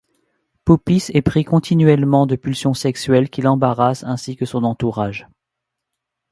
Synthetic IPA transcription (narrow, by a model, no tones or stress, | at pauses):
pupisɛpχikɔ̃t̪ʰinɥɛlmɑ̃d̪əpylsjɔ̃sɛksɥɛlkʲilɑ̃baʁasɛ̃sikəsɔ̃nɑ̃t̪uʁaʒ